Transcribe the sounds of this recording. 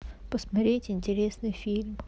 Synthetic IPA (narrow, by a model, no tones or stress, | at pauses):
pəsmɐt̪ɾʲetʲɪnʲtʲɪɾʲesnɨjfʲilʲm